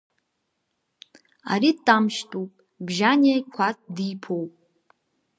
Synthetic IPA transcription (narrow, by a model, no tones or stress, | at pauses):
a̰ɾitʼːamʃtʼupʼ | bʒanakʷʰat̚ʰʼdipʰowpʼ